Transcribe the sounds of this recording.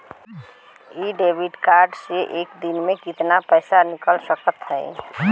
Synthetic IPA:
iɖebʱiɖkaɾɖseʔekd̪inmẽkit̪napəɪsanikəlsəkət̪ɦɛ̰ɪ

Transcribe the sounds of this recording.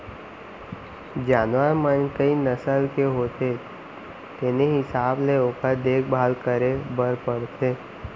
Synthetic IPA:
d͡ʒaːnʋəɾmənkəinəsəlkeɦoːt̪e | t̪eːneɦɪsaːbleokəɾd̪eːkʰbʱaːlkəɾebəɾpəɽt̪ʰeː

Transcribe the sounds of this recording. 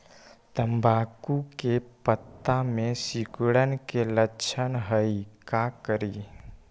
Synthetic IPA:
t̪əmbʱakukepət̪ːamẽsikɽənkelət͡ʃʰənɦəikakəɾi

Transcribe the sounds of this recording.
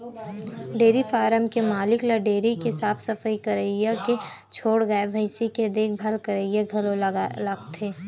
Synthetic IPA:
ɖeːɾifaːɾəmkemaːlɪklɐɖeːɾikesaːfʰsɐfəikɐɾəjjake | t͡ʃʰoːɽɡɐebʱəɪsiked̪eːk̚ʰbʱɐlkɐɾəjjaɡʱɐlolaɡt̪ʰeː

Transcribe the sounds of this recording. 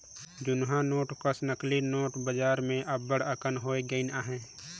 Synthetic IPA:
d͡ʒʊnɦãnoːʈkəsnəklinoːʈbəd͡ʒaːɾmẽʔɐbːəɽəkənɦoːeɡəɪnaɦɛ̃ː

